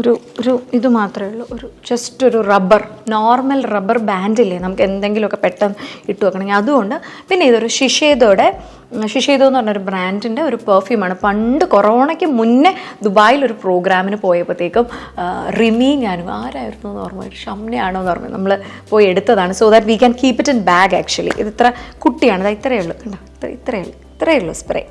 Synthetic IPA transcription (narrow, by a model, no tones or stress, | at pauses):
oɾu | oɾuiðɨmaːt̪rɐmuɭːɐʔoɾud͡ʑɐsto̞ɾurɐbɐrnoːrmɐlrɐbɐrbaːndilːɐnɐmukːɨe̞nd̪eŋɡilmokːepeʈːɐniʈːuʋɐkɐːɳɐmeŋɡiɐðuɣo̞ɳɖɨpinːe̞iðo̞ɾuʂiʂeːðoːɽe̞ | ʂiʂeːðoːnːuɐrnɲːoɾubraːndindeo̞ɾupɐrfjuːmaːɳɨpɐɳɖɨkorɐoːɳɐkʲːɨmunːed̪ubaːjilo̞ɾupro̞ːɡɾaːminɨpo̞ːjepːɐt̪ːe̞ːkːɨm | rimiːnɲaːnuaːɾaːjiɾunːoːnːɨʋɐrnːo̰ːjoɾuʂɐmnɐjaːɳoːnːɨpɐr̰nɲːṵnɐmːɐɭɨpoːjie̞ɽut̪ːɐðaːɳɨsoːðatːʋiːkʲɐnkiːpitːɐnbaːɡa̰ːk̚t͡ɕuɐlḭʔḭðit̪ːrɐkuʈːijaːɳiðaːit̪ːrɐjuɭːukɐɳɖɐit̪ːrɐ̰ḭt̪ːrɐjuɭːɐit̪ːrɐjuɭːusprḛː